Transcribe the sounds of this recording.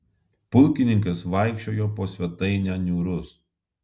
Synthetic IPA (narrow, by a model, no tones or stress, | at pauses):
pʊlʲˑkʲɪnʲɪŋkɐsʋɐɪkʃʲt͡ʃʲoːjoːpoːsʲʋʲɛt̪ɐɪnʲɛnʲuːɾʊs